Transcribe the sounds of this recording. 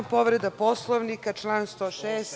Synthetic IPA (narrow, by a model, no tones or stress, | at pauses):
po̞ʋɾed̪apo̞slˠoʋnikat͡ʃlˠaːnst̪oːʃeːs